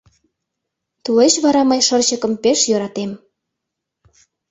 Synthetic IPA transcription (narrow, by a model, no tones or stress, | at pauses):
t̪uleʃβɑɾɑmɑjʃərt͡ɕəkə̆mpeʃjøɾɑt̪em